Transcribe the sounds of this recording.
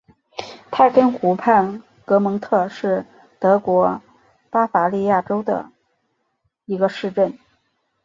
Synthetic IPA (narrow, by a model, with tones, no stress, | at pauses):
t̪ʰa˥˩kə˥nxu˧˥pʰa˥˩n | kɤ˧˥mɤ˧˥ŋt̪ʰɤ˥˧ʂɻ̩˥˩ | t̪ɤ˧˥kwɔ˧˥ | pa˥fa˧˥li˥˧ja˥˩ʈ͡ʂo˥ʊd̪ə̰˩ | i˧˥ɡə˧ʂɻ̩˥˧ʈ͡ʂə˥˩n